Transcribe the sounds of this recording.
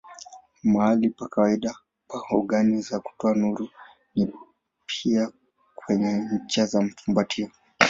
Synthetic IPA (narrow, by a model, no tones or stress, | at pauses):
maalipakawaiɗa | pahɔɠanizaku̥tɔanuɾu | ni | pʰia | kwɛɲɛɲ̩t͡ʃazam̩fumbatʰiɔ